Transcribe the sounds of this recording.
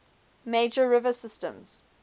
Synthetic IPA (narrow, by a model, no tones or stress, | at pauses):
meɪd͡ʒəɹɪvəsɪstə̰̃mz̥